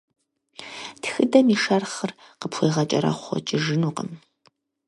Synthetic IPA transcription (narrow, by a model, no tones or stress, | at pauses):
txɨdɐmiːʂɐrχər | qəpʰxʷejʁɐt͡ʃʼɐɾɐ̰χʷɔ̰t͡ʃʼɪʒɨnuːqəm